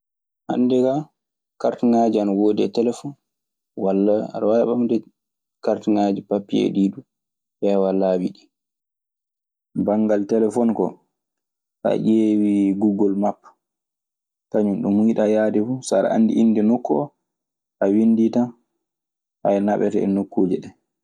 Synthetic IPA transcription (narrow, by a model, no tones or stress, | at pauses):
ʔa̰ndɛɡa | kaɾtuŋad͡ʒianawodɛ̰tɛlɛfɔn | walːaɾwaɓamdɛ | kaɾtiŋad͡ʒipapːiḛdidu | ɓɛwalːawiɗi | baŋɡaltɛlɛfɔnkɔ̰ | ʔa̰ʔeːwiɡuɡɔlmapː | taɲunɗumuiɗajadɛfusaɾa̰ʔa̰nːdḭʔinːdɛnɔkːɔ̰ | ʔawinditan | ha̰jnaɓɛtɛ̰ɛ̰nokʰːoːd͡ʒiɗɛ